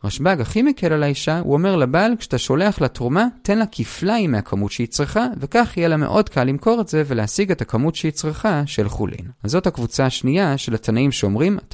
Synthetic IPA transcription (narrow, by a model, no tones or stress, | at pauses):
ʁaʃbaɡaχimekʰelalaiʃaṵo̞me̞ʁlabalkʃe̥ataʃo̞le̞aχlatʁumate̞nlakʰiflaimeakʰamutʃeit͡sʁeχave̞kaχijelamḛʔo̞dkʰalːimko̞ʁetze̞veleasiɡe̞takamutʃeit͡sʁeχaʃelχṵlʔḭnazo̞thakvut͡saaʃniaʃe̞lat̪anaimʃeomʁimat